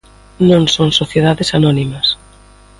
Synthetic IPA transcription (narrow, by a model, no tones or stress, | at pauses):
nõŋsõŋsoθjeðaðesanɔnimɐs